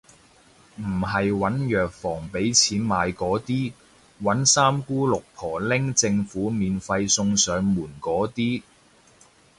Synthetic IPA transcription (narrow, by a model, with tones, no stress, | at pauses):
m̩˨˩ɦɐ˨jwɐ˨˥njœː˨k̚fɔː˨˩ŋpe˨˥jt͡sʰiː˨˥nmaː˨˧jkɔː˨˥t̪iː˥ | wɐ˨˥nsaː˥mkuː˥lʊ˨k̚pʰɔː˨˩lɪ˥ŋt͡sɪ˧ŋfuː˨˥miː˨nfɐ˧jsʊ˧ŋsœː˨˧ŋmuː˨˩nkɔː˨˥t̪iː˥